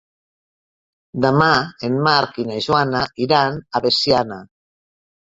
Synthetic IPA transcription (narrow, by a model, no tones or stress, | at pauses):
d̪amaenmaɾkinaʒwanaiɾanaβesjana